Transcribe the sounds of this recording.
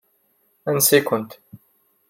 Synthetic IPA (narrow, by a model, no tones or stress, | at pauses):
ænsikʊnt̪